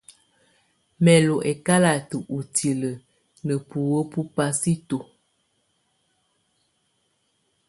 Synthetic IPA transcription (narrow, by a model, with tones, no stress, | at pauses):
mɛ˨lo˨ʔɛ˨ka˦la˨tə˨ʔu˨tʰi˨lə˨ | nə˨pu˨wə˦pu˦pa˦si˦to˨